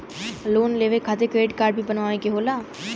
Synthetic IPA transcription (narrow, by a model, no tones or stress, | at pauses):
loːnleːʋeːkʰaːt̪eːkɾeːɖkaːɾɖ̚biːbənʋaːʋẽːkeɦoːlaː